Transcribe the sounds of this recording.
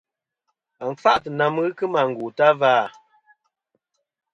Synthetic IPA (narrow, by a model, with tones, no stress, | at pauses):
a˨ɱ̩˨fa˦ʔtɨ˨na˨m˦ɣɨ˦kɨ˦ma˨ŋ̩˨ɡu˨ta˦vaː˦˨